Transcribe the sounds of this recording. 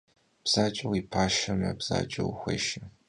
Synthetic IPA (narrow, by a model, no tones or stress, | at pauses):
b̥z̥aːt͡ʃʼɐwipʰaːʃɐmɐbz̥a̰ːt͡ʃʼɐwxʷɐ̰ʃɐ